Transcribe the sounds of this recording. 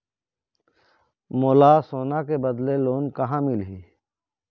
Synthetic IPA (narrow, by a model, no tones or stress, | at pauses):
moːlaːsoːnakebəd̪leloːnkɐɦãmɪlɦiː